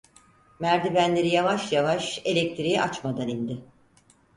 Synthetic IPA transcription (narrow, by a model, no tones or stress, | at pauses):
mæɾd̪ibænlʲe̞ɾijavaʃjavaʃe̞lʲɛk̚t̪ʰiɾijɛʔat͡ʃmad̪anind̪ɪ